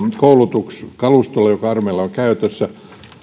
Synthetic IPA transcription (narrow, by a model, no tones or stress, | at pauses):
koulut̪ukskɑlust̪olːˑɑjokɑɑrmeːˑlːˑɑoŋkæyt̪øsːæ